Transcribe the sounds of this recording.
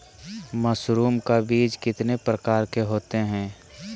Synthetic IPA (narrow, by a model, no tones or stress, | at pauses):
məsɾuːmkabiːd͡ʒkɪt̪nepɾəkaːɾkeɦoːt̪eɦɛ̃ː